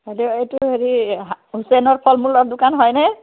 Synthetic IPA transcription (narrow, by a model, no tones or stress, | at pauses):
heliejtuɦeɹiɦusɛnɔɹpʰɔlmulɔɹdʊkanɦɔjnɛ